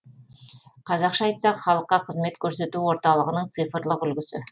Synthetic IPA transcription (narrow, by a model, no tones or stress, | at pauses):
qʰɑzɑqʃɑːjt̪sɑqχɑlˠəqːɑqʰəzme̞t̪kʲʰɵɾse̞t̪uwo̞ɾt̪ɑlˠəʁənəɴt̪sɨjfəɾlˠəqʏlɡʲɪsɪ̰